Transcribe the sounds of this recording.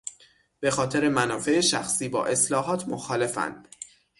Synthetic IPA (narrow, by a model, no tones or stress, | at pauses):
b̥e̞xɒːt̪ʰe̞ɾe̞mænɒːfe̞ʔeʃæxsiːbɒ̰ːʔe̞slɒːɦɒːt̪ʰmoxɒːle̞fæ̰nd̪̥